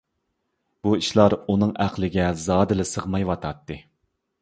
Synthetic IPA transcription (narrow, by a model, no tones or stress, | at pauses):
b̥uiʃlˠɑɾunɨŋæqlˠɪɡʲɛzɑːd̪ɨlɨsəʁmɑjwɑt̪ʰɑt̪ːɨ